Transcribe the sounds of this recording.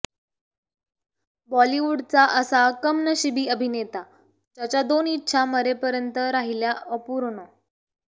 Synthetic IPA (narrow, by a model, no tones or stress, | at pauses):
bɔliʋuɽt͡saʔəsakəmnəɕibʱiːəbʱinet̪a | d͡ʑjat͡ɕad̪onitːɕʰaməɾepəɾjənt̪əɾaɦiljaəpuːɾɳo